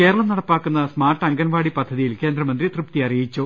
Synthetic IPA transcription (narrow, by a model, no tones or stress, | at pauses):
ke̞ːɾɐɭɐmnɐɽɐpːaːkːunːɐsmaːrʈːɐŋɡɐnʋaːɽipɐd̪ʱːɐðijilke̞ːnd̪ɾɐmɐnd̪rit̪rɨp̚t̪iɐrijit͡ɕːu